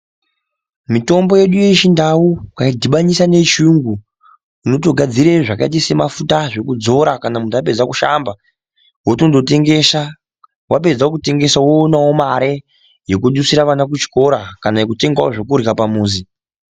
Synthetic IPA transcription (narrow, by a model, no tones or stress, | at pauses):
mito̞mbo̞je̞ɗuje̞ʃindawukaidʱiɓaɲisane̞ʃuŋɡuː | no̞to̞ɡʱad͡ziɾeʐaka̰it̬ise̞mafutaʐe̞kud͡zo̞ɾakanamundape̞d͡zakuʃamba | wotondo̞te̞ŋɡesa | wape̞d͡zakute̞ŋɡe̞sawoːnawomaɾe | jekuɗusiɾaʋanak̬ut͡ʃi̥ko̞ɾakanajekute̞ŋɡawoʐo̞kuɾkapamuːzi